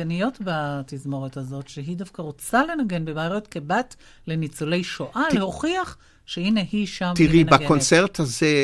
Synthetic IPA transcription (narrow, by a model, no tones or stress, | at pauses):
anijo̞tbatizmo̞ʁethazo̞tʃeɦidafkaʁot͡sale̞naɡe̞nbemaːʁetkebat | le̞nit͡sole̞jʃoʔaleho̞χiaχ | ʃeine̞hiʃamt̪iʁinbakont͡seʁthaze